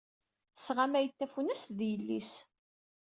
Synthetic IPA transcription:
θə̥sʁamæjət̪ːæfunəst̪ðjəlːis

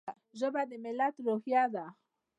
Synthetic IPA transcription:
ʒoβad̪emelat̪ɾoxjaða

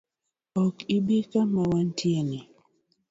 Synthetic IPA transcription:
ɔkibikamawantjeni

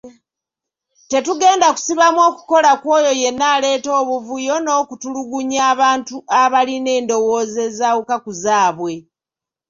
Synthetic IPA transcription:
te̞tuɡe̞ːndaku̥siβamwo̞ːku̥ko̞lakwoːjo̞je̞nːaːle̞ːto̞ːβuvujo̞no̞ːkutuluɡuɲaːβaːntuʔaβaline̞ːndo̞woːze̞zawukakuzaːβwe̞

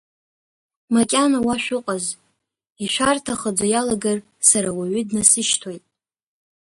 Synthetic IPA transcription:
makʲʼanawaʃᶣʊqʼaz | iʃʷᶣartʰaχəd͡zʷajalaɡar | saɾawaɥʏdnasɨʃtʰojtʼ

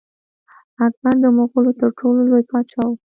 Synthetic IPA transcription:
akband̪əmoɣolot̪əɾʈʰololojpɑt͡ʃɑw

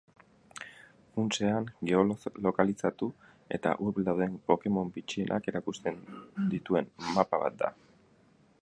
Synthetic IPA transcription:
unt͡se̞aŋɡe̞olo̞kalisat̪u | e̞̰t̪a̰ʔurβeld̪awðe̞mpo̞ke̞mo̞mbit͡ʃienʔa̰ke̞ɾakust̪e̞nd̪it̪ue̞nmapaβa̰t̪̚d̪a̰

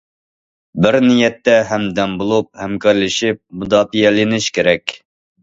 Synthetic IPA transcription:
bɪɾnijɛt̪ːɛɦɛmd̪ɛmbolˠup̚hɛmkɑɾlɪʃɪp̚mud̪ɑːfijɛlɪnɪʃkʲeɾɛkʲ

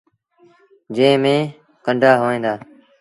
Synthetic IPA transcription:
d͡ʒə̃ːmẽː | kəɳɖʱaːɦoːẽːnd̪aː

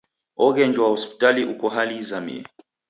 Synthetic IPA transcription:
ɔɣɛɲd͡ʒwahɔspi̥taliʔukɔɦalizamḭɛ̰

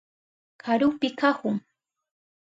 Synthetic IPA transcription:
kʰaɾʊpɪkahʊŋ

